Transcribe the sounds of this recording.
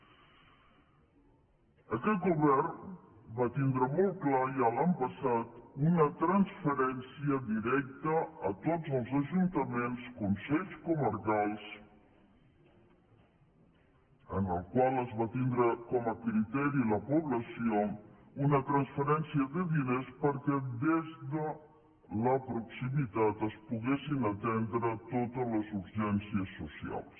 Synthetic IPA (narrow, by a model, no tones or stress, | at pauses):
əkɛt̪̚ɡuβɛrnbat̪ind̪ɾəmɔl̚ˠklajalampəsat̪unət̪ɾənsfəɾɛnsiəd̪iɾɛk̚t̪əət̪ozəlˠzəʒunt̪əmenskunsɛʎskuməɾkalˠs | ənəlˠkwalˠəzβat̪ind̪ɾəkɔməkɾit̪ɛɾiləpuβləsio | unət̪ɾənsfəɾɛnsiəðəðinespəɾkɛd̪ezd̪ə | ləpɾuksimit̪at̪əspuɣesinət̪ɛnd̪ɾət̪ot̪ələzuɾʒɛnsiəsːusia̰lˠs